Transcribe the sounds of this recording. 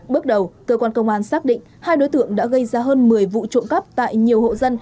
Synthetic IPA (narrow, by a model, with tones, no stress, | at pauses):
ɓɨ˦˥ək̚ɗə˨˩wkəː˧kwaː˧nkə˧wŋ͡mʔaː˧˩nsaː˦˥k̚ɗḭ˧˨ŋ̟haː˧jɗo˨˦jt̪ɨ̰˧˨əŋɗa̰ː˧˥ɣə˧jzaː˧ɦəː˧nmɨ˨˩əjvṵ˧˨t͡ɕʊ̰˧˨ŋ͡mkə˦˥p̚t̪a̰ː˧˨jɲi˨˩əwho̰˧˨zə˧n